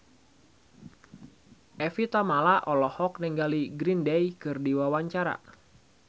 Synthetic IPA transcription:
ʔɛfit̪amalaʔɔlɔhɔk̚nɛŋɡaliɡɾindɛjkɨrdiwawaɲt͡ʃaɾa̰

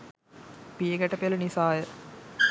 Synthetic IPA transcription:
pijəɡæʈəpelɐnisaːjə

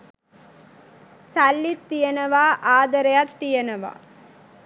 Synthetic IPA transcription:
sɐlːit̪ːijɐnɐʋaːʔaːd̪ɐɾɐjat̪ːijɐnɐʋa̰

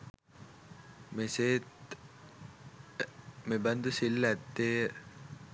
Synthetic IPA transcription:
meseː | mebɐnd̪usilːæt̪ːeː

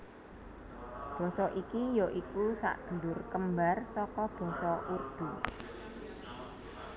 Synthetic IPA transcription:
b̥ɔ̤sɔʔikijɔʔikusa̰ʔɡ̥ə̤lʊrkəmbarsɔkɔb̥ɔ̤sɔʔurd̪̥u

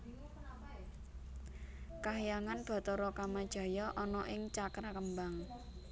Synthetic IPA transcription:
kaɦijaŋanb̥a̤t̪ɔɾɔkamad̥ʒ̥a̤jɔʔɔnɔʔɪŋt͡ʃakɾakəmbaŋ

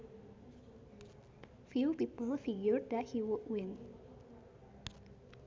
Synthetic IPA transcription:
fjupipəlˠfiɡjəɹd̚ðɛt̚hiwʊd̚wɪ̃n

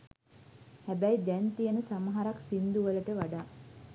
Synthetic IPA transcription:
hæbæjd̪ænt̪ijənəsaməɦaɾaksind̪uʋələʈəʋaɖaː

